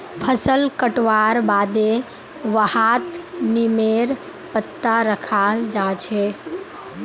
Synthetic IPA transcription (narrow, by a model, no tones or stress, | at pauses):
pʰəsəlkəʈʋaɾbad̪e | ʋəhat̪nimeɾ | pət̪ːaɾəkʰald͡ʒat͡ʃʰe